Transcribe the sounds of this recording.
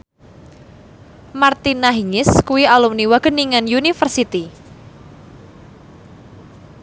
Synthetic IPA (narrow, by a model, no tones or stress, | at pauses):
mart̪inaɦiŋɪskuwialumniwaɡ̥ə̤niŋanjunifərsit̪i